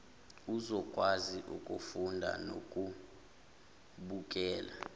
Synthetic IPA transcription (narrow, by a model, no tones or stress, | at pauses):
uzɔkʼwaziʔukʼufundʱa̰no̰kʼu | ɓuk̬ʼɛːla